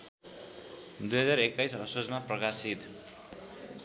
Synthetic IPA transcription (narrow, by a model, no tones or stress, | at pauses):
d̪ujɦʌd͡zarekːajsʌsod͡zmaprʌkasit̪